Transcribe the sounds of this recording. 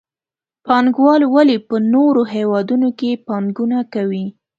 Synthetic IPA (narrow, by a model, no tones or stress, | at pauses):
pɑŋɡwɑlwalipənoɾoɦewɑd̪unokepɑŋɡunakawi